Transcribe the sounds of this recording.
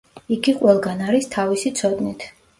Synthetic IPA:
iɡiqʼwɛlˠɡanaɾist̪ʰavisit̪sʰɔd̪nit̪ʰ

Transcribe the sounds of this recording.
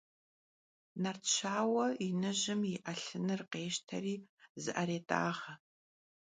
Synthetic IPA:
nɐrt͡ʃʰaːwɐinɨʑɪmiʔɐɬɨnɨrqeːʃtʰɐriːzɨʔɐɾeːtʼa̰ːʁɐ

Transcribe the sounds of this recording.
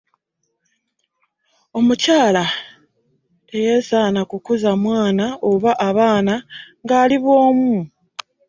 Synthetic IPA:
o̞mucaːla | e̞je̞saːnakukuzamwaːnaoβaʔaβaːnaŋɡaːliβwo̞ːmu

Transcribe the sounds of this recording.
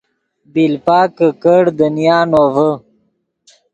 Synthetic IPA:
bilpaːkəkəɽd̪ənijaːnovə

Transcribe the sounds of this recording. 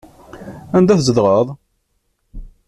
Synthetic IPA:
ænd̪æθzəðʁəðˤ

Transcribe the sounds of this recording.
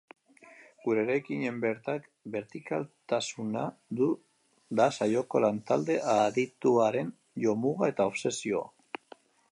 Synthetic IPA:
ɡ̥uɾe̞ːɾajkiɲe̞mbe̞ɾt̪ak | be̞ɾt̪ika̰lt̪asunaðu | d̪asajo̞ko̞lant̪ald̪e̞ʔaðit̪uaɾe̞n | ʝo̞muɣae̞t̪ao̞βse̞sio̞a̰

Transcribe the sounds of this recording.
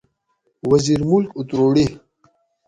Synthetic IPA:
wɐziɾmulkut̪ɾoɽi

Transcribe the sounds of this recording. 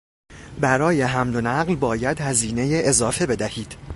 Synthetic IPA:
bæɾɒːjeɦæmd̪onæɢlbɒːjæd̪hæziːne̞jeʔezɒːfebe̞d̪æhiːd̪̥

